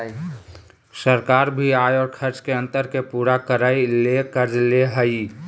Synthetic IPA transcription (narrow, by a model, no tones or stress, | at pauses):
səɾkaɾbʱiajɔːɾkʰəɾt͡ʃkeə̃nt̪əɾkepuːɾakəɾailekəɾd͡ʒleɦəi